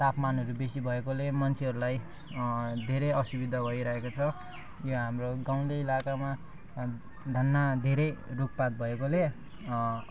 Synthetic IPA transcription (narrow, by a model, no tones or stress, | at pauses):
t̪apmanɦʌɾubesibʱʌekolemʌnt͡sʰiɦʌɾulaj | d̪ʱeɾeʌsubid̪ʱʌɡʌiɾʌɦekot͡sʰʌ | joɦamroɡaw̃d̪ʌilakama | d̪ʱʌnːad̪ʱeɾʌjruk̚pat̪̚bʱʌekole